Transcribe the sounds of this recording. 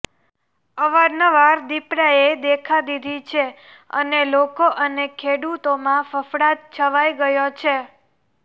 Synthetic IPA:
əʋaɾnəʋaɾd̪ipɾaed̪ekʰad̪id̪ʱit͡ʃʰe | ə̰nelokoʔənekʰeɽut̪omãfəfɽat̪̚t͡ʃʰəʋajɡəjot͡ʃʰe

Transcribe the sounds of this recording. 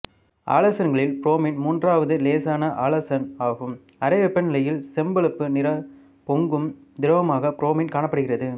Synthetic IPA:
a̰ːlɐsɐnɡɐɭɪlpɪɾoːmiːnmuːndraːʋɐðɯleːsaːnɐʔaːlɐsɐnaːɣɯm | ɐɾɐʋɛpːɐnnɪlɐjɪlsɛmbɐɭɯpːɯnɪɾɐ | pɔŋɡɯm | d̪ɪɾɐʋɐmaːɣɐpɪɾoːmiːnkaːɳɐpːɐɽɯɣɪrɐðɯ

